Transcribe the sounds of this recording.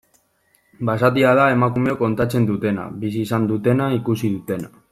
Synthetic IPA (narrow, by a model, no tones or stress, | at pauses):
basat̪̬iaðae̞makume̞oko̞nt̪at͡se̞nd̪ut̪e̞na̰βisiːsand̪ut̪e̞naikusiðut̪e̞na